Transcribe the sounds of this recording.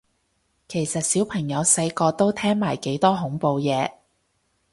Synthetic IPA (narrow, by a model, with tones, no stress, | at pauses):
kʰe˨˩jsɐ˨t̚siː˨˥wpʰɐ˨˩ŋjɐ˨˧wsɐ˧jkɔː˧t̪o˥wt̪ʰɛː˥ŋmaː˨˩jke˨˥jt̪ɔː˥ɦʊ˨˥ŋpo˧wjɛː˨˧